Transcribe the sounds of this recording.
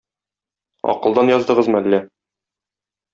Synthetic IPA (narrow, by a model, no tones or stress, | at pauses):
ɒ̰qɤ̆lˠd̪ɑnjɒzd̪ɤ̆ʁɤzmɤælːæ